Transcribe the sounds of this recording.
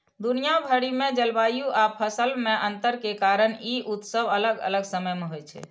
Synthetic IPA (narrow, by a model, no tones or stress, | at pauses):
d̪unijabʱəɽimed͡ʒəlbajuʔapʰəsəlmeʔənt̪əɾkekaɾəniʔut̪səbələɡə̰ləɡsəməjmeɦojt͡ʃʰɛ̰